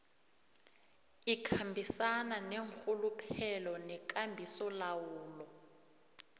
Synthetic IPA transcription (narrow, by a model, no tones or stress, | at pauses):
ikʰambʱisananeŋk͡xʰulupʰɛlɔnɛk̬ʼambʱisɔlawuːlɔ